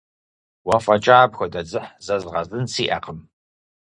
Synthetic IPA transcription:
wɐfɐt͡ʃʼaːbxʷɐdɐd͡zɨħzɐzʁɐzɨnsiːʔɐ̰qəm

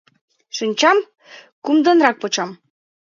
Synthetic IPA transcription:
ʃinʲt͡ɕɑm | kumd̪ə̆nrɑk̚pŏt͡ɕɑm

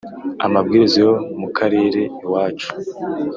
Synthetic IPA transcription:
amabɡiːɾizijo̞mukʰaɾe̞ːɾe̞iwaːt͡ʃu̥

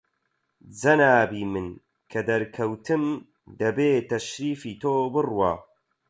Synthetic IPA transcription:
d͡zɐnaːbiːmɨn | kʰɐd̪ɐɾkʰɐwt̪ʰɨm | d̪ɐbeːt̪ɐʃɾiːfiːt̪ʰoːbɨrwa̰ː

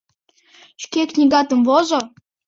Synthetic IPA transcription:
ɕkʲeknʲiɡɑt̪ə̆mvozo

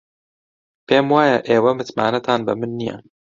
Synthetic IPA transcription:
peːmwaːjɛʔeːwɛmɨt̪ma̰ːnɛt̪ʰɑːnbɨmɨnːijɛ̰n

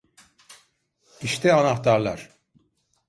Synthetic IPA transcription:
iʃt̪ʰɛanaht̪ʰaɾlˠa̰ɾ̥

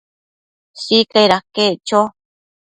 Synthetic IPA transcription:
sikaiɾaket͡ʃo

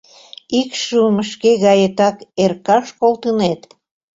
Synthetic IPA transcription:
ikʃuməʃkeɣɑjet̪ɑkerkɑʃkolˠt̪ənet̪

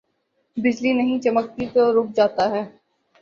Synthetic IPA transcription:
bɪd͡ʒlinɐɦĩt͡ʃɐmək̚t̪it̪oɾʊk̚d͡ʒaːt̪aɦɛː

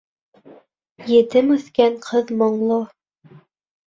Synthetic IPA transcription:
jĕt̪ɘmɵ̆θkæɴqʰɤðmŏɴlˠo

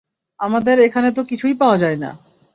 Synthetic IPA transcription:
amad̪eɾekʰanet̪okit͡ɕʰujpaoad͡ʑaena̰

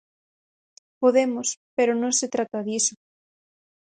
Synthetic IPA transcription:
poðemʊspeɾonõŋset̪ɾat̪ɐðisʊ

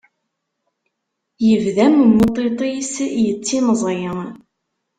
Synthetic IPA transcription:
jəvðæmmːot̪ˤːet̪ˤisjət͡sːinəzˤjə

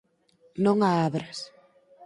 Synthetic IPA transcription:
nõŋaaβɾɐs

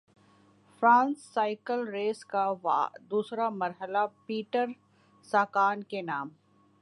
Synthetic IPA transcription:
fɾãːnsːaːɪkəlɾeːskaʋa̰ːd̪uːsɾamɐɾɦəlapiːʈəɾ | saːkaːnkenaːm

